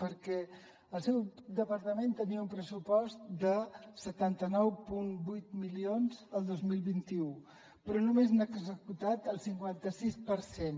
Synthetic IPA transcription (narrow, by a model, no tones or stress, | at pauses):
pəɾkɛ | əlˠsɛwd̪əpəɾt̪əment̪əniəumpɾəsupɔst̪̚d̪əsət̪ant̪ənɔwpunbujt̪milionzəlˠd̪ozmilˠβint̪iu | pɾɔnumeznəɡzəkut̪at̪əlˠsiŋkwant̪əsispəɾsen